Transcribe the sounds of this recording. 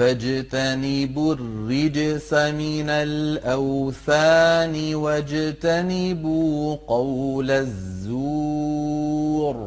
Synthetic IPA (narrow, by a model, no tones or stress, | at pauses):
ad͡ʒt̪anɪbʊrːɪd͡ʒsamɪnalʔawθaːnɪwad͡ʒt̪anɪbuqɑwlazːu | ɾ